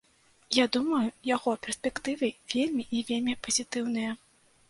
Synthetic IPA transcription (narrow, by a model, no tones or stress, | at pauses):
jad̪umɐjujaɣɔpʲɛrsʲpʲɛkt̪ɨvʲɐvʲelʲmʲiʔivʲelʲmʲipɐzʲit̪ɨwn̪ɨjɐ